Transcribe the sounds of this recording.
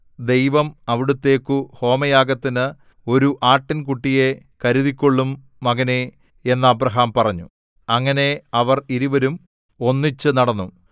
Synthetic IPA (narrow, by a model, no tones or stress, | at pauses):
d̪e̞jʋɐmɐʋiɽut̪ːe̞ːkːuho̞ːmɐjaːɡɐt̪ːinɨ | o̞ɾuʔaːʈːinkuʈːije̞ | kɐɾuðikʲːo̞ɭːumː | ɐɣɐne | e̞nːɐːbrɐɦaːmpɐrɐɲːu | ɐŋːɐne̞ɐʋɐriɾuʋɐɾum | o̞nːit͡ɕːɨnɐɽɐnːu